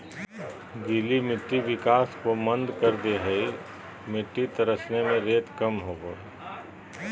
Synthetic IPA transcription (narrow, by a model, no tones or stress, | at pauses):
ɡɪlimɪʈːiʋɪkaːskomə̃nd̪kəɾd̪eɦɐi | mɪʈːit̪ɐɾəsnemẽɾeːt̪kɐmɦoːɡoː